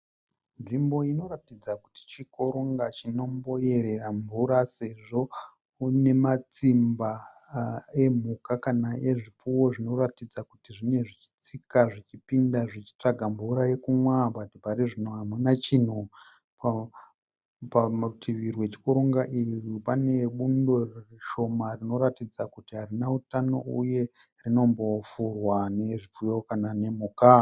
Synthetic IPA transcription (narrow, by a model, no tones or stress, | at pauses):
nʐimbo̞ino̞ratid͡zaku̥ti̥t͡ʃiko̞ɾoŋɡat͡ʃino̞mbo̞je̞ɾe̞raɱvuɾase̞ʐo̞ | une̞mat͡simba | e̞m̤ukakanaʔeʐip͡fuwo̞ʐino̞ratid͡zakutiʐine̞ʐit͡ʃi̥t͡sikaʐit͡ʃipindaʐit͡ʃi̥t͡ʂaɡʱaɱvuɾaje̞kumwabadipaɾiʐinoɦamunat͡ʃin̤u | p | patʰiʋirwe̞t͡ʃi̥koɾoŋɡaʔiripane̞ɓundo̞reriʃo̞marino̞ɾatid͡zakutiɦarinautano̞̰uje̞ | rino̞mbo̞furwane̞ʐip͡fujo̞kanane̞muːka